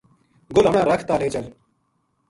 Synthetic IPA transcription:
ɡʊlɦəmɳãːɾəkʰt̪aːleːt͡ʃəl

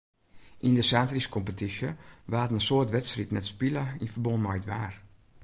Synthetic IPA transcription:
ʔindəsaːtriskʰɔmpətisjəʋaːtənəsoərtʋɛtsritnɛtspiləinfərbonmajtʋaːr

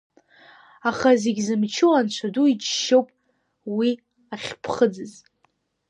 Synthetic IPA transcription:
aχazeɡʲzɨmt͡ʃʰɨwant͡ɕʷʰaduit͡ʃʃowpʼ | wi | aχʲpʰχəd͡zɨz

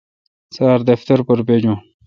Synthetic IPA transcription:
saːɾd̪ɐft̪ɐɾpəɾped͡ʑõː

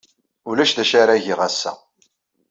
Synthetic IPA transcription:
ʊlæʃðæʃaɾæʝiʁæsːæ̰

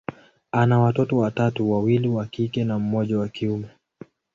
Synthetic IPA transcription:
anawatɔtɔwatatuwawiliwakikɛnam̩mɔʄawakiumɛ

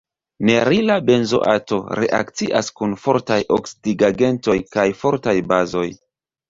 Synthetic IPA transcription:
ne̞ɾilabe̞nzo̰ʔa̰to̞ɾe̞̰ʔa̰kt͡siʔa̰skunfo̞ɾtajoksidiɡaɡe̞nto̞jkajfo̞ɾtajbazo̞j

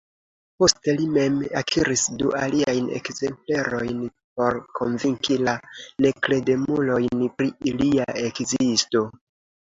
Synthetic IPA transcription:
po̞ste̞lime̞makʰiɾisdṵʔaliajne̞̰kze̞mple̞ɾo̞jn | p̚o̞ɾkʰo̞nviŋkilane̞kle̞de̞mulo̞jnpɾiiliaʔe̞kzisto̞

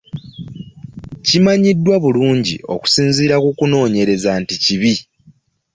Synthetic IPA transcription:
cimaɲidːwaβuluːɲɟio̞̰ku̥siːnziːɾakukuno̞ːɲe̞ɾe̞zanticiβi

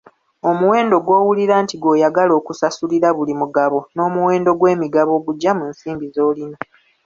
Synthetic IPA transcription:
o̞muwe̞ːndo̞ɡwo̞ːwuliɾaːntiɡo̞ːjaɡalo̞ːkusasuliɾaβulimuɡaβo̞no̞ːmuwe̞ːndo̞ɡwe̞ːmiɡaβo̞ːɡuɟːamunsiːmbizo̞ːlino

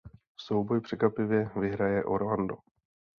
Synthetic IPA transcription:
so̞wbojpr̥ɛkvapɪvjɛvɪɦɾajɛʔo̞ɾlando

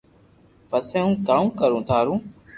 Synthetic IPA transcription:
pəsẽːɦũːkaːũːkəɾũːt̪ʰaːɾũː

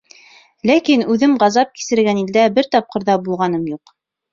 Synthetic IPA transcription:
lækinʉðɘmʁɑzɑp̚ki̥sɘ̆ɾɘɡænild̪æbɘɾt̪ɑp̚qɤ̆ɾðɑbulˠʁɑn̪ɤmjuq

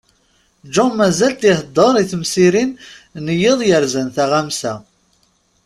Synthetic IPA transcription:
d͡ʒunmæzælt̪ihd̪ˤːəɾˤiθmsiɾinnəjɪðˤjəɾzənθæʁæmsæ

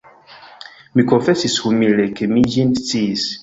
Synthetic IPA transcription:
mikɔfɛsishumilɛkemid͡ʒintis

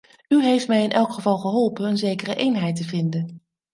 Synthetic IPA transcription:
yɦejftmɛjɪnʔɛlˠkχəvɑlˠχəɦɔlˠpənənzejkərəʔejnɦɛjtəvɪndən

